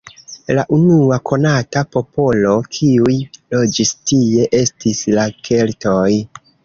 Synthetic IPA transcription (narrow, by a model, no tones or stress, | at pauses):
laʔunuako̞natapo̞po̞lo̞kʰiujlo̞d͡ʒistie̞ʔe̞stislakʰe̞lto̞j